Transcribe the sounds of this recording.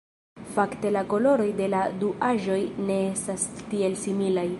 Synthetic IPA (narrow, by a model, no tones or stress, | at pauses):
fakte̞lako̞lo̞ɾo̞jde̞laduʔaʒo̞jne̞estastie̞lsimilaj